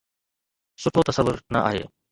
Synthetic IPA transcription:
sʊʈʰot̪ɐsɐʋːʊɾnɐʔa̰ːɦḛː

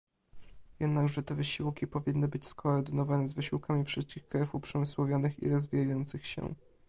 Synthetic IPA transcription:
jɛd̪naɡʐɛt̪ɛvɘɕiwkʲipɔvʲinːɘbɘt͡ɕskɔːɾd̪ɘnɔvanɛzvɘɕiwkamʲifʂɘst̪̚kʲixkɾɛfupʂɛmɘswɔvʲjɔnɘxḭɾɔzvʲijajɔnt̪sɘxɕɛ̰

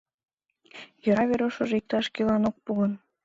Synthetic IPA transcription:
jɤ̆ɾɑβeɾoʃɤʒik̚t̪ɑʃkʲilɑnok̚puɣən

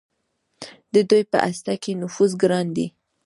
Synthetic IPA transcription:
d̪əd̪ujpə̰ʔast̪akenʊfuzɡɾɑnd̪i

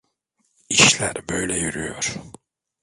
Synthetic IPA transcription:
iʃlʲæɾbøjlʲɛjyɾyjo̰ɾ̥

